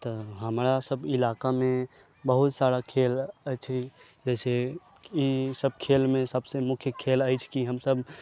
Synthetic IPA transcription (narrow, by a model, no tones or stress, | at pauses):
t̪ɔɦəmɾasəbɪlakamẽ | bəɦut̪saɾakʰelət͡ʃʰi | d͡ʒɛse | isəb̚kʰelmẽsəbsemʊkʰjəkʰelajt͡ʃʰkiɦəmsəb